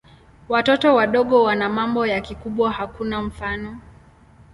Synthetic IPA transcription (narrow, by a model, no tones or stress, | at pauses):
watɔtɔwaɗɔɠɔwanamambɔjakikuɓwahakunam̩fanɔ